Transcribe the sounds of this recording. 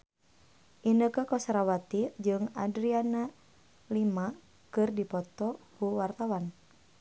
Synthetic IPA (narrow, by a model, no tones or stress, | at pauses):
ʔinəkəkɔsɾawat̪id͡ʒɨŋa̰dɾiana | lima | kɨrdipɔt̪ɔkuwart̪awan